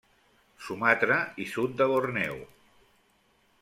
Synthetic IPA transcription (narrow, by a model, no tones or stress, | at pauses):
sumat̪ɾəisut̪̚d̪əβornɛw